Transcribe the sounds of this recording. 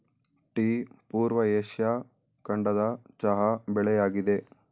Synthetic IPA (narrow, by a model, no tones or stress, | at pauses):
ʈipuːɾʋɐeːʃjɐ | kɐɳɖɐd̪ɐt͡ʃɐɦɐbɛɭɛjaːɡid̪e̞